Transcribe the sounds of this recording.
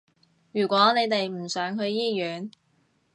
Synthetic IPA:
jyː˨˩kʷɔː˨˥ne˨˧jt̪e˨jm̩˨˩sœː˨˥ŋɦɵ˧ɥjiː˥jyː˨˥n

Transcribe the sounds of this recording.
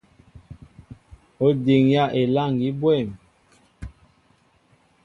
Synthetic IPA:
o˦de˨ŋja˦˨ʔe˨la˦˨ŋɡi˦bwɛ˦˨m

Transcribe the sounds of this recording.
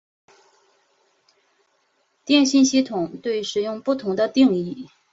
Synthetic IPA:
t̪jɛ˥˧nɕi˥˧nɕi˥˩t̪ʰʊ˨˩ŋt̪we˥˩ɪʂɻ̩˨˩jʊ˥˧ŋpu˥˩t̪ʰʊ˧˥ŋd̪ə˧t̪i˥˧ŋi˥˩

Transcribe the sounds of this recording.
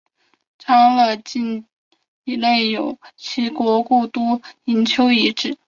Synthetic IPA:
ʈ͡ʂʰɑ˥ŋlə˧t͡ɕi˥˩n | i˧˥le˥˩ɪjo˨˩ʊt͡ɕʰi˧˥kwɔ˧˥ku˥˩t̪u˥i˧˥nt͡ɕʰjo˥ʊi˧˥ʈ͡ʂɻ̩˥˩˦

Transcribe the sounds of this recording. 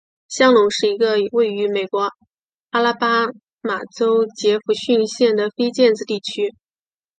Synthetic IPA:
ɕjɑ˥ŋlʊ˨˩˦ŋʂɻ̩˥˩i˧˥ɡə˧˨we˥˩ɪy˧˥me˨˩ɪkwɔ˧˥ | a˥la˥pa˥ | ma˨˩ʈ͡ʂo˥ʊt͡ɕjɛ˧˥fu˧˥ɕy˥˧nɕjɛ˥˩nd̪ə˩fe˥ɪt͡ɕjɛ˥˩˧nd͡zɹ̩˧t̪i˥˩t͡ɕʰy˥

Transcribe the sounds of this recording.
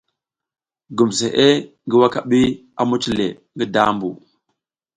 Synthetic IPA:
ɡu˨mse˨ʔe˦ | ŋɡi˦wa˦ka˨ɓi˦a˨mu˦t͡ʃi˦lḛ˨ | ŋɡi˦da˦mbu˨

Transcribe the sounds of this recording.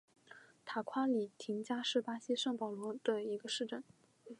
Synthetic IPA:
t̪ʰa˨˩kʰwa˥li˨˩t̪ʰi˧˥ŋt͡ɕja˥ʂɻ̩˥˩pa˥ɕi˥ʂɤ˥˩ŋpɑ˨˩ʊlwɔ˧˥d̪̥ə˧i˧˥ɡə˧ʂɻ̩˥˧ʈ͡ʂə˥˩n

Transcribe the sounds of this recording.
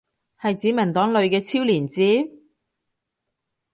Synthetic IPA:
hɐ˨jt͡siː˨˥mɐ˨˩t̪ɔː˨˥ŋlɵ˨ɥkɛː˧t͡sʰiː˥wliː˨˩nt͡siː˨˥

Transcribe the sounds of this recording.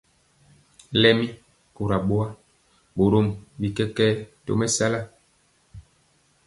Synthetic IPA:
lɛ˦mi˦ | ku˨ɾa˨ɓo˦a˦ | bo˨ɾo˦˨mbi˨kɛ˦kɛ˦to̰˦mɛ˦sa˦la˦

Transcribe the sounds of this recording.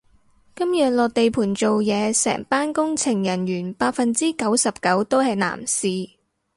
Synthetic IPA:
kɐ˥mjœː˨ŋlɔː˨k̚t̪e˨jpʰuː˨˩nt͡so˨wjɛː˨˧sɛ̰ː˨˩ŋpaː˥nkʊ˥ŋt͡sʰɪ˨˩ŋjɐ˨˩njyː˨˩npaː˧k̚fɐ˨nt͡siː˥kɐ˨˥wsɐ˨p̚kɐ˨˥wt̪o˥whɐ˨jna̰ː˨˩msiː˨˧

